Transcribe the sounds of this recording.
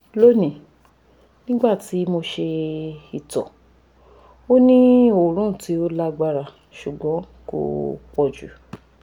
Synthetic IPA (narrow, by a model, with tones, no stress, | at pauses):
lo˦nĩ˨ | nĩ˦ɡ͡ba˦˨ti˨˦mo˧ʃe˧i˨tɔ˨ | o˦nĩ˦o˨ɾ̃ũ˦˨ti˨˦o˦la˦ɡ͡ba˧ɾa˨ | ʃu˨ɡ͡bɔ̃˨˦ | ko̰˧k͡pɔ˧d͡ʒṵ˨